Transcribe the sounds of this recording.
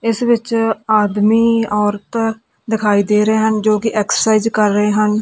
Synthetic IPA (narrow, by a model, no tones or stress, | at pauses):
ɪsʋɪt͡ʃaːd̪miːɔːɾt̪ | d̪ɪkʰaːiːd̪eːɾəeːɦənd͡ʒoːkɪʔɛːksə̥saːizkəɾːəeːɦən